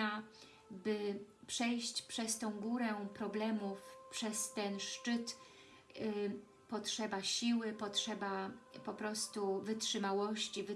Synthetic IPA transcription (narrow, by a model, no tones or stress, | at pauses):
a | bɘpʂɛjɕt͡ɕpʂɛst̪ɔ̃w̃ɡuɾɛpɾɔblɛmufpʂɛst̪ɛnʂt͡ʂɘt̪ | pɔtʂɛbaɕiwɘpɔtʂɛbapɔpɾɔst̪uvɘtʂɘmawɔɕt͡ɕivɘ